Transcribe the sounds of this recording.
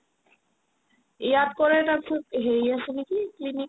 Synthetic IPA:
iad̪̚koɾet̪aɾt̪ʰekɦejaʃenikiklini

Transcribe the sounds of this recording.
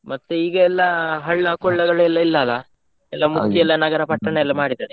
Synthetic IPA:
mɐt̪ːuiːɡɐɛlːɐɦɐɭːɐkɔɭːɐɡɐɭuɛlːɐilːɐːlːɐ | ɛlːɐmukʰːjiɐɛlːɐnɐɡɐɾɐpɐʈːɐɳeɛlːɐmaːɽid̪ane

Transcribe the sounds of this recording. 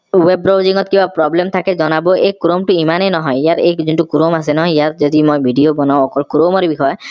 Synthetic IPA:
webɾoziŋɔt̪̚kĩbapɾɔblemt̪ʰakezɔnabɔejkɾomʈuimanenɔɦɔjiaɾejzinʈukɾomas̬enɔɦɔjiatzɔd̪imojbʱiɖiobɔnaw̃ɔkɔlkɾomɔɾebixɔɔ

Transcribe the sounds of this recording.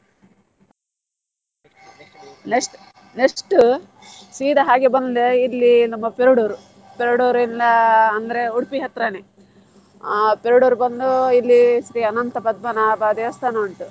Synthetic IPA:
neʂʈ | nekʂʈu | siːd̪ɐɦaːɡebɐnd̪leilːinɐmːɐpeɾuɽuːɾu | peɾuɽoːɾinɐɐnd̪ɐɾe̞uɽpiɦɐt̪ɾɐne | peɾuɽuːɾubɐnd̪uilːisɾiɐnɐnt̪ɐpɐd̪̚mɐnɐbaːd̪eɐst̪ʰaːnɐɐɳʈu

